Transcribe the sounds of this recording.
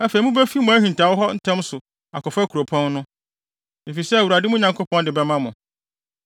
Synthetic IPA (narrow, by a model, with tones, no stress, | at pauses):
æ˦fe˨i˨mũ˦bɛ˦fi˦mʊ̃˨æ˦ɦĩ˨n˨tʰa˨wʊ˦ɦɔ˦n̩˦tʰɛ̃˦msʊ˨ | a̰˨kɔ˨fkʰu˨ɾo˨pʰɔ̃˦nnʊ̃˦ | e˨fi˨sɛ˦æ˨wu˨ɾa˨dɪ˦mʊ̃˦ɲã˨ŋkʰo˦pʰɔ̃˦ndɪ˨bɛ˦mã˦mʊ̃˨